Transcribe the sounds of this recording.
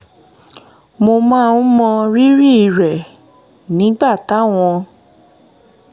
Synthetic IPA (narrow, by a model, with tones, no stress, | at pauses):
mo˧mãː˦˧ũ˦mɔ̃˧ɾi˦ɾi˦˨i˨ɾɛ˨ | nĩ˨˦ɡ͡ba˦˨ta˨˦w̃ɔ̃˧